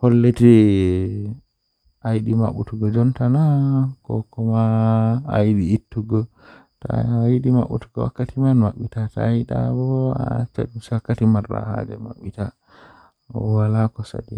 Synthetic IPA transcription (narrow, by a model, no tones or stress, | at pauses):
hɔlːeti | ajɗima̰ɓutuɡɔd͡ʒɔntanakɔ̰kɔmaː | jiɗiːtːuɡɔ | ta̰ajiɗima̰ɓutuɡɔ̰wa̰kːatimanmaɓːitatajɗa̰bɔɔa̰t͡ʃːa̰ɗuswakːatimarːa̰ha̰d͡ʒɛ̰ma̰ɓːita | ɔwalakɔsa̰dɛ